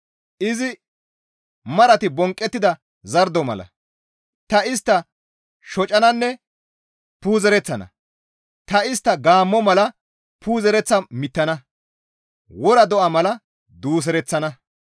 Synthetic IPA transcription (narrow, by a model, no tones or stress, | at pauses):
ʔɪzɪ | mɐɾɐt̪ɪbɔŋkʼːɛt̪ːɪd̪ɐ | zɐɾd̪ɔmɐ̰lɐ̰ | t̪ɐɪst̪ːɐ | ʃɔt͡ʃʼːɐnɐnːɛ | puːzɛɾɛt͡sːɐnɐ̰ | t̪ɐɪst̪ːɐɡaːmːɔmɐlɐ | puːzɛɾɛt͡sːɐmɪt̪ːɐnɐ | wɔɾɐd̪ɔʔɐmɐlɐ | d̪uːs̬ɛɾɛt͡sːɐnɐ